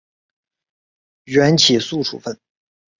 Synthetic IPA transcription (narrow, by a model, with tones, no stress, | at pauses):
ɥɛ˧˥nt͡ɕʰi˨˩su˥˩ʈ͡ʂʰṵ˨˩fə˥˩n